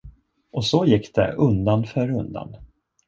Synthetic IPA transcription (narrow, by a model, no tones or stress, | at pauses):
ʔɔsɔjɪkːd̪̥ɛ̰ʔɵnd̪anfœːɾɵnd̪a̰n